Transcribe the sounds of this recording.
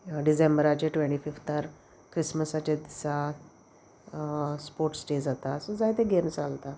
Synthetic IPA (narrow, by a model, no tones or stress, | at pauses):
ɖisembəɾat͡ɕeʈʋẽɳʈifift̪aɾ | kɾisməsat͡ɕed̪isa | spoɾʈsʈed͡zat̪aːsə̃d͡zajt̪eɡemsalt̪a